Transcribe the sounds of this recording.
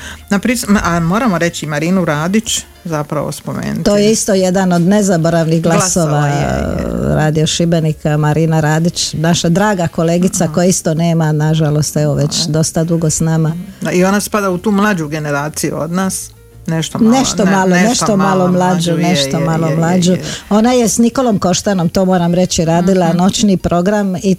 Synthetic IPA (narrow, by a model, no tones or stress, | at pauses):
napɾisamoːɾamoɾe̞t͡ʃimaɾiːnuɾaːd̪it͡ɕ | zapɾa̰ʋo̰spomḛːnut̪oːjeist̪o̞je̞d̪ano̞d̪nezaboɾaʋniɣɡlˠaso̞ːʋa̰ | ɾaːd̪ioʃibenikamaɾiːnaɾaːd̪it͡ʃnaʃad̪ɾaːɡako̞leːɡit̪sakojaist̪o̞ne̞ːmanaʒalo̞st̪eʋoʋe̞t͡ɕd̪o̞st̪ad̪uɡo̞snaːmaionaspad̪aut̪uːmlˠad͡ʒuɡeneɾaːt̪sijṵo̰d̪naːs | neʃt̪oneʃt̪omalˠoneʃt̪omalˠomlaːd͡ʒuneʃt̪omalˠomlˠaːd͡ʑoo̞najesniko̞lomko̞ʃt̪anomt̪oːmoːɾamɾe̞t͡ɕiɾaːd̪ilˠano̞t͡ʃnipɾo̞ɡɾami